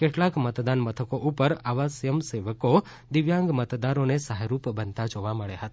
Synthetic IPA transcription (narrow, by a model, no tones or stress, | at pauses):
keʈlakmət̪d̪anmət̪ʰəkoʔupəɾaʋasjəmseʋəko | d̪iʋjãŋɡmət̪d̪aɾonesaɦaɾupbənt̪ad͡ʒoʋaməɭeɦət̪ḁ